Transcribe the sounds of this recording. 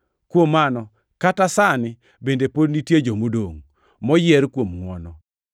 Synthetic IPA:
kwomːanɔ | katasanɪ | bendepodnitjed͡ʒomodoŋ | mɔjɛɾkwomŋwɔ̰nɔ

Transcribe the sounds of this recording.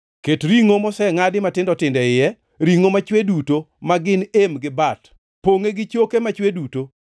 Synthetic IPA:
ketɾiŋomɔsɛŋadɪmatɪndɔtɪndɛɪjɛ | ɾiŋomat͡ʃwedutomaɡɪnemɡɪbat | poŋeɡɪt͡ʃokemat͡ʃweduto

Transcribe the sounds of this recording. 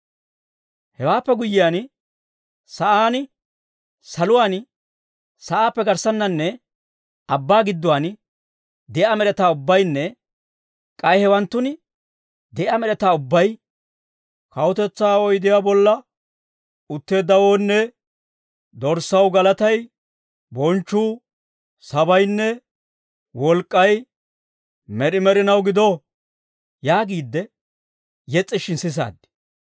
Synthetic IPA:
hɛwaːpːɛɡʊjːɪjaːn | sɐʔaːn | sɐlʊwaːn | sɐʔaːpːɛɡɐɾsɐnːɐnːɛ | ɐbːaːɡɪd̪ːʊwaːn | d̪ɛʔɐmɛɾɛt̪aːʊbːɐjnːɛ | kʼɐjhɛwɐnt̪ːʊnɪ | d̪ɛʔɐmɛɾɛt̪aːʊbːɐj | kɐwʊt̪ɛt͡sːaːɔjd̪ɪjaːbɔlːɐ | ʊt̪ːeːd̪ːɐwoːnːɛ | d̪ɔɾsɐwɡɐlɐt̪ɐj | bɔnt͡ʃːuː | sɐbɐjnːɛ | wɔlkʼːɐj | mɛɗɪmɛɾɪnɐwɡɪd̪o | jaːɡiːd̪ːɛ | jɛt͡sʼːɪʃɪnsɪs̬a̰ːd̪ːɪ̥

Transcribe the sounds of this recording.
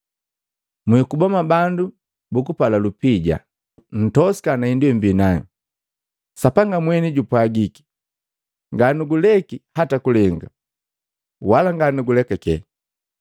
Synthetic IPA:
mikubɔmabandu | bukupalalupiɟa̰ | n̩tɔsi̥kanaindwɛmbinaŋḭ | sapaŋɡamwɛniɟupwaɡiki̥ | ŋɡanuɡulɛkihatakulɛŋɡa̰ | walaŋɡanuɡulɛkakɛ̰

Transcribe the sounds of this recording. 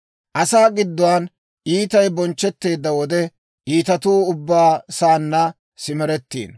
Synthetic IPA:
ʔɐsaːɡɪd̪ːɔwaːn | ʔiːt̪ɐjbɔnt͡ʃːɛt̪ːe̞ːd̪ːɐwɔd̪ɛ | ʔiːt̪ɐt̪uːʊbːaːsaːnːɐ | sɪmɛɾɛt̪ːḭːn

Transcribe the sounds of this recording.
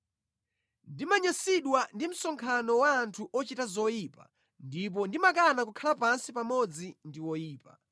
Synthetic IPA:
ndimaɲasiɗwandim̩sɔŋkʰanɔwaːntʰuʔɔt͡ʃitazɔjiːpa | ndip̬ɔndimakanakukʰalapansipamɔd͡zindiwɔjiːpa̰

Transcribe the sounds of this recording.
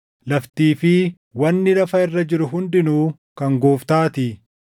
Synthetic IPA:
lɐft̪iːfɪ | wɐnːɪlɐfɐɪrːɐd͡ʒɪɾʊɦʊnd̪ɪnuː | kɐŋɡoːft̪aːt̪ɪ

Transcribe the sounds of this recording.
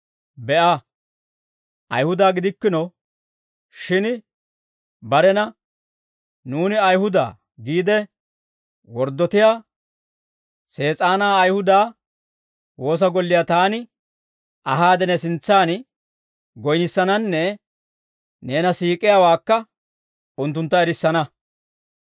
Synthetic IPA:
bɛʔɐ | ʔɐ̰jhʊd̪aːɡɪd̪ɪkːɪnɔ | ʃɪn | bɐɾɛnɐ | nuːnɪɐjhʊd̪a̰ː | ɡiːd̪ɛ | wɔɾd̪ːɔt̪ɪjaː | se̞ːt͡sʼaːnaːɐjhʊd̪aː | wo̞ːs̬ɐɡɔlːɪjat̪aːnɪ | ɐɦaːd̪ɛnɛsɪnt͡sːaːn | ɡɔjnɪsːɐnɐnːɛ | ne̞ːnɐsiːkʼɪjaːwaːkːɐ | ʊnt̪ːʊnt̪ːɐɛɾɪsːɐnɐ

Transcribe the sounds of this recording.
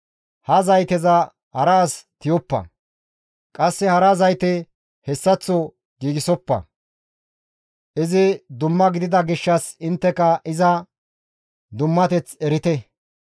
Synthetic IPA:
hɐzɐjt̪ɛzɐ | hɐɾɐːst̪ɪjɔpːɐ̰ | kʼɐsːɛhɐɾɐzɐjt̪ɛ | hɛsːɐt͡sːɔ | ɡiːɡɪsɔpːɐ̰ | ʔɪzɪd̪ʊmːɐɡɪd̪ɪd̪ɐɡɪʃːɐsɪnt̪ːɛkɐʔɪzɐ | d̪ʊmːɐt̪ɛt͡sɛɾɪt̪ɛ

